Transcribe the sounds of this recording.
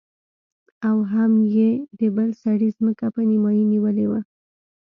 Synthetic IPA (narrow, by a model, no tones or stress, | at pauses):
awɦamjed̪əbəlsaɽizməkapənimɑjiniwəlewa